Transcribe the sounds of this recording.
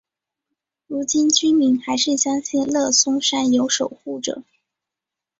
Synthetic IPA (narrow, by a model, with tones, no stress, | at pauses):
ɻu˧˥t͡ɕi˥nt͡ɕy˥nmi˧˥nxa˧˥ɪʂɻ̩˥˩ɕjɑ˥ŋɕɛ˥˧nlɤ˥˩sʊ˥ŋʂa˥njo˧˥ʊʂo˨˩ʊxu˥˩ʈ͡ʂɤ̰˨˩˦